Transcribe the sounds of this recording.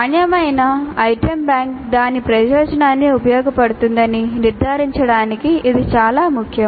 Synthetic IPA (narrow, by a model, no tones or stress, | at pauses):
ɐnjɐmɐjnɐɐjʈɐmbjaːŋkd̪aːnipɾɐjɔːd͡ʒɐnaːnːiːupɐjɔːɡɐpɐɽut̪und̪ɐniniɾd̪ʱaːɾiɲt͡ʃɐɽaːnikiʔːd̪it͡ʃaːlaːmukʰjɐ